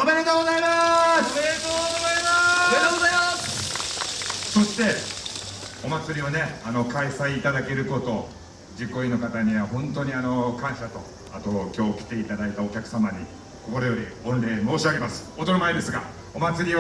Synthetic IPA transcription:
omeɾet̪oɡozaimaset̪oːɡozaimamet̪oɡozaimas | so̞ɕi̥t̪e̞ | o̞mat͡sɨɾʲio̞ne̞ano̞kaisaiːt̪ad̪ake̞ɾɯ̟ko̞t̪o̞ | d͡ʑikːo̞ino̞kat̪aɲ̟iβaɦõ̞nt̪o̞ɲ̟iano̞kãɰ̃ɕat̪o̞ | at̪okʲo̞ːkʲi̥t̪e̞it̪ad̪ait̪ao̞kʲakɯ̟̥samaɲ̟i | ko̞ko̞ɾo̞jo̞ɾʲiõ̞nɾe̞ːmo̞ːɕiaɡe̞masɨ̥ot̪onomaid̪e̞sɨɡa | o̞mat͡sɨɾʲio

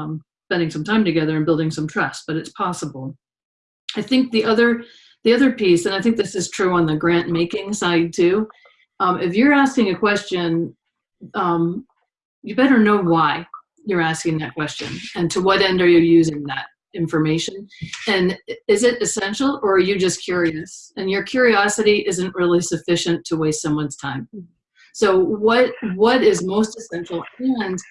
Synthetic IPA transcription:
m | spɛ̃ndɪ̃ŋsʌ̃mtʰãɪ̃mtɨɡɛðə˞ɨ̃nbɪlˠdɪ̃ŋsʌ̃mtʰɹ̥ɛsb̥ʌɾɨtspʰɑsəbl̩ˠ | aɪθɪ̃ŋk̚ðiʔʌðə˞ | ðiʌðə˞pisɨ̃ñaɪθɪ̃ŋk̚ðɪsɨz̥tʰɹ̥ʉə̃nðɨɡɹæ̃nmeɪkɪ̃ŋsaɪd̚tʰʉ | mɪfjə˞æskɪ̃ŋɨkʰw̥ɛst͡ʃɨ̃n | ʌ̃m | jɨbɛɾə˞noʊwaɪ | jə˞æskɪ̃ŋðɨt̚kʰw̥ɛst͡ʃɨ̰̃nɨ̃ntʰəwʌɾɛ̃ndə˞jɨjʉzɪ̃ŋðɨɾ | ɪ̃ɱfə˞meɪʃɨ̃nɨ̃nɪzɪɾɨsɛ̃nʃl̩ˠə˞ːjɨd͡ʒʌskʰj̥ʊɹiɨsɨ̃njə˞kʰj̥ʊɹiɑsɨɾiʔɪzɨ̃nʔɹɪlˠisɨfɪʃɨ̃ntʰəweɪstsʌ̃mwʌ̃nz̥tʰãɪ̃m | soʊwʌt̚wʌɾɪzmoʊstɨsɛ̃nʃl̩ˠɨ̃n

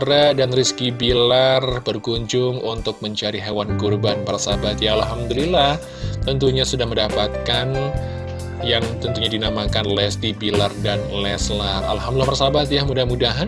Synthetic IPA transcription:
ɾadanriskibilarbərkuɲd͡ʒʊŋunt̪ʊk̚məɲt͡ʃaɾiɦewankurbanpaɾasabat̪jaalɦamd̪ulilah | t̪ənt̪uɲasudahməndapat̪̚kan | jaŋt̪ənt̪uɲadinamakanlɛst̪ibilardanlɛslara̰lɦamdulapaɾasabat̪jahmudahmudaɦan

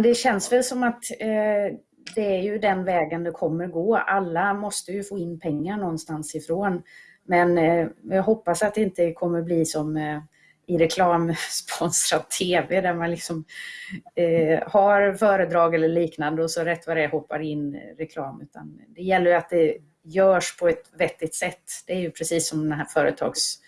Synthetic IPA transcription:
nd̪ɛɕɛnsvɛlsɔmat̪ | d̪ɛæɾjɵd̪ɛnvɛːɡənd̪ɛkʰɔmːəɾɡoːalːamɔst̪əjɵfoːɪnːpʰɛŋːaɳɔnːst̪ansɪfɾoːn | mɛnjɑɦɔpːasat̪̚d̪ɛɪnt̪əkʰɔmːəɾbliːsɔm | ɪɾɛkʰlɑːmspʰɔnsɾat̪ʰːeːvɛd̪æɾmanlɪksɔm | haɾfœːɾəd̪ɾɑːɡɛlːəɭiːknand̪əɔsɔɾɛt̪ːvad̪ɛhɔpːa̰ɾɪnːɾɛkʰlɑːmʉ̟ːt̪ʰa̰nd̪ɛjɛlːəjat̪̚d̪ɛ | jœːʂpʰɔɛt̪vɛt̪ːɪt̪sɛt̪ːd̪̥ɛæɾjɵpʰɾɛsiːsːɔmd̪næfœːɾə̰t̪ʰɑ̰ːɡs

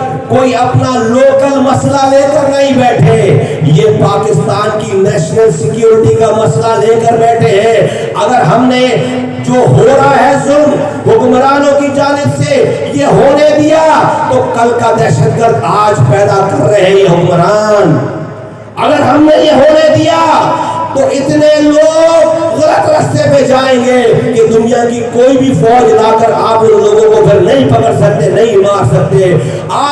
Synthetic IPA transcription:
koːiɐpnaloːkəlmɐslaleːkəɾnɐɦĩbɛːʈʰe | jepaːkɪst̪aːnkinɛːʃnəlsɪkjuːɾɪʈikamɐslaleːkəɾbɛːʈʰeɦɛ̃ | ɐɡəɾɦɐmne | d͡ʒoːɦʊlɾaɦɛzʊlm | ɦʊkmɾaːnõkid͡ʒaːnɪbse | jeɦoːned̪ijat̪okɐlkad̪ɛːʃət̪̚ɡəɾd̪aːd͡ʒpɛːd̪akɐɾːɐɦjeɦʊkmɾaːn | ɐɡəɾɦɐmnejeɦoːned̪ijat̪oʔɪt̪neloːɡɣʊlət̪ɾɐst̪eped͡ʒaːẽːɡeked̪ʊnijakikoːibʱifɔːd͡ʒnaːkəɾaːploːɡõkõpʰɪɾnɐɦĩpɐkəɾsɐk̚t̪enɐɦĩmaːɾsɐk̚t̪e | aː

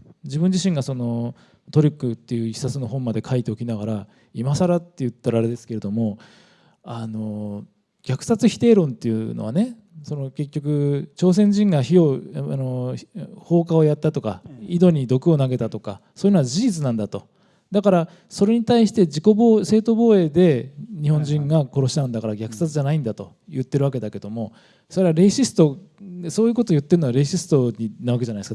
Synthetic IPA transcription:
d͡ʑibɯ̃ɲ̟d͡ʑiɕĩŋɡaso̞no̞ | t̪o̞ɾʲikːɯ̟t̪ːe̞jɯ̟içʲi̥sat͡sɨnoɦõ̞mːad̪e̞kʰait̪e̞o̞kʲinaɡaɾa | imasaɾat̪ːe̞jɯ̟t̪ːaɾaːɾe̞d̪e̞sɨ̥ke̞ɾe̞d̪o̞mo̞ | ano̞ | ɡʲakɯ̟̥sat͡sɨçʲi̥t̪e̞ːɾõ̞nt̪ːe̞jɯ̟no̞̰βane̞ | so̞no̞ke̞kʲːo̞kɯ̟t͡ɕo̞ːs̬ẽ̞ɲ̟d͡ʑĩŋɡaçio̞ano | ho̞ːkao̞jat̪ːat̪o̞kaid̪o̞ɲ̟id̪o̞kɯ̟o̞naɡe̞t̪at̪o̞ka̰soːjɯ̟noɡad͡ʑiʑit͡sɨnãnd̪at̪o̞ | d̪akaɾa | so̞ɾe̞ɲ̟it̪aiɕi̥t̪e̞d͡ʑiko̞boːse̞ːt̪o̞bo̞ːe̞ːd̪e̞ɲ̟ihõ̞ɲd͡ʑĩŋɡako̞ɾo̞ɕi̥t̪anɯnd̪akaɾaɡʲakɯ̟̥sat͡sɨʑanaĩnd̪at̪o̞̰ | jɯ̟t̪ːe̞ɾɯβake̞d̪ake̞d̪o̞mo̞ | so̞ɾe̞βaɾe̞ɕisɨ̥t̪o̞eso̞ːjɯ̟ko̞t̪oːjɯ̟t̪ːeɾɯnoaɾe̞ɕisɨ̥t̪o̞ɲinaɯβake̞d͡ʑanaiesk

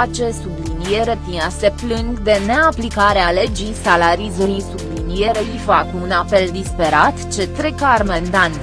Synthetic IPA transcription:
at͡ʃe̞sublinijeɾep̪iase̞plɨŋɡd̪e̞ne̞aplikaɾeale̞d͡ʒisalaɾizuɾisublinije̞ɾeijfakunape̞ld̪ispe̞ɾat̪t͡ʃe̞t̪ɾekarmend̪ant̪

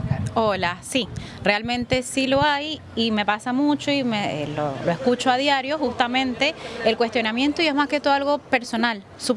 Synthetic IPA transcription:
olasirealmẽ̞nt̪e̞silo̞aj | ime̞pasamut͡ʃoimelo̰loeskut͡ʃoaðjaɾjo̞xust̪amẽ̞nt̪e̞elkwe̞st̪jo̞namje̞nt̪oiezmaske̞t̪ualɣo̞pe̞ɾso̞nal | su

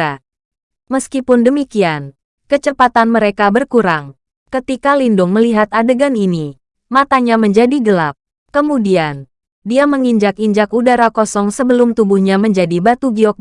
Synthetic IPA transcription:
a | məskipʊndəmikian | kət͡ʃəpat̪anməɾekabərkuɾaŋ | kət̪ikalindʊŋməliɦat̪adəɡanini | mat̪aɲaməɲd͡ʒadiɡəlap̚ | kəmudian | diaməŋiɲd͡ʒakiɲd͡ʒakudaɾakɔsɔŋsəbəlʊmt̪ubuhɲaməɲd͡ʒadibat̪uɡiɔk̚

